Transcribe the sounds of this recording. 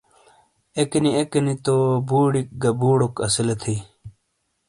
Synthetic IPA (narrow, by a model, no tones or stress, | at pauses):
ekeniekenit̪obuːɽik̚ɡɐbuːɽokɐsilet̪ʰij